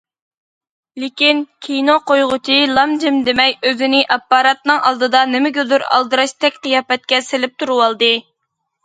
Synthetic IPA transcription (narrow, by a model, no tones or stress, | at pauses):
lɪkʲinkʲʰijnoqʰojʁʊt͡ʃʰilˠɑmd͡ʒɪmd̪emɛjøzɪnɪʔɑpːɑɾɑt̪nɨŋɑlˠd̪ɨd̪ɑnɪmɪɡʲølyɾɑ̰lˠd̪ɨɾɑʃt̪ʰɛkʲqəjɑːpɛt̪̚kʲɛsɪlɪp̚t̪ʰuɾuwɑlˠd̪ɨ